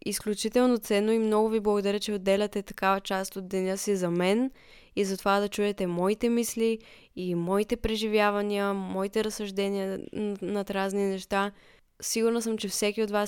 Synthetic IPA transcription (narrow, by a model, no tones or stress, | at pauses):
isklʲut͡ʃit̪ɛlˠnot̪sɛnːoimnɔɡʊviblˠɐɡod̪ɐɾʲət͡ʃɛod̪ːɛlʲɐt̪ɛt̪ɐ̥kavət͡ʃast̪od̪d̪ːɛnʲɤsizɐmɛn | izɐt̪ovad̪ɐt͡ʃuɛt̪ɛmɔit̪ɛmisliː | mɔit̪ɛpɾɛʒivjavɐniəmɔit̪ɛɾɐsɐʒd̪ɛnʲiənɐt̪ɾazninɛʃt̪a | siɡʊɾnəsəmt͡ʃɛfsɛkʲiot̪vas